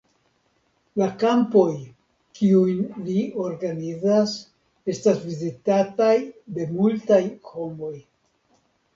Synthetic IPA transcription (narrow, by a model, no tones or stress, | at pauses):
lakampo̞j | kiujnlio̞ɾɡanizas | e̞stasvizitatajde̞multajho̞mo̞j